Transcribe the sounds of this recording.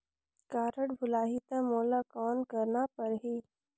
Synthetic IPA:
kaːɾəɽbʱʊlaːɦit̪amoːlakɔːnkɐɾnapɐɾɦiː

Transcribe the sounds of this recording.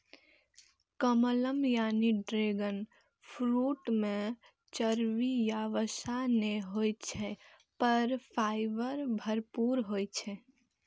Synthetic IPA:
kəmələmjaniɖɾeɡən | pʰɾuʈmẽ | t͡ʃəɾʋijaʋəsaneɦojt͡ʃʰɛ | pəɾpʰaɪbəɾbʱəɾpuɾɦojt͡ʃʰɛ

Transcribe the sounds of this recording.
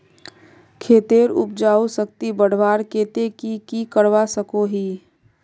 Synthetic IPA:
kʰeːt̪eːɾʊ̰p̚d͡ʒaːusəkt̪ibəɽ̤ʋaːɾkeːt̪ekikikəɽʋasəkoɦiː

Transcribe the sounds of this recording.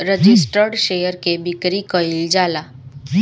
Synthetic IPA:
ɾəd͡ʒisʈəɾɖʃejəɾkebikɾikəild͡ʒala

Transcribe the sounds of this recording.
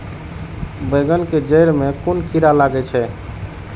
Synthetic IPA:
beɡənked͡ʒəjɾmekunkiɾalaɡɛt͡ʃʰɛ

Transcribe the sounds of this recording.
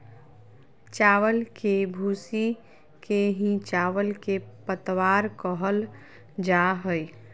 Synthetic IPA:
t͡ʃaːwəlkebʱuːsi | keɦĩt͡ʃaːʋəlkepət̪waːɾkɔɦəl | d͡ʒaɦoi

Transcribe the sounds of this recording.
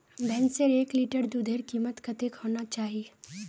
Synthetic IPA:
bʱɛ̃ːnseɾeːkliːʈəɾd̪ud̪ʱeːɾkiːmət̪kɐt̪ekɦoːnat͡ʃaːɦie

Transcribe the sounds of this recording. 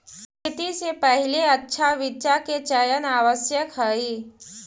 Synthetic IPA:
kʰɪt̪isepəɦɪleɐtːʃʰaʋɪt͡ʃaket͡ʃəjənaːʋəsjəkɦəiː

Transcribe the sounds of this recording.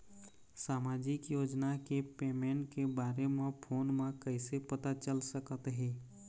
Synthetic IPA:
saːmaːd͡ʒɪkjoːd͡ʒnakepeːmẽːɳʈkebaːɾemẽpʰoːnmẽkəɪsepət̪at͡ʃəlsəkət̪ɦɛː

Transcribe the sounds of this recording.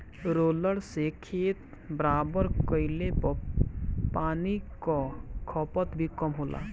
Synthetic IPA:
ɾoːləɽsekʰeːt̪ | bɾaːbəɾkəɪlepə | paːnikɔkʰɔpət̪bʱikɔmɦoːlʔa̰ː

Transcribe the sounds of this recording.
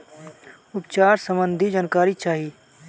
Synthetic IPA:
ʊpt͡ʃaːɾsəmbə̃nd̪ʱid͡ʒaːnkaːɾit͡ʃaːɦi

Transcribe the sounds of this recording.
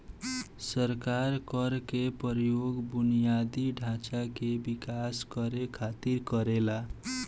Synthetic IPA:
sʌɾkaɾkʌɾkepʌɾjoɡbunijad̪iɖʱãt͡ʃakebikasɡʌɾekʰat̪iɾkʌɾela

